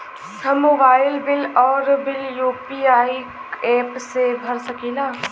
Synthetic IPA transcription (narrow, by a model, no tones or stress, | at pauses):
sɐmobaːɪlbɪlɔːɾbɪljuːpiaːi | ɛːpsebʱɐɾsɐkiːlaː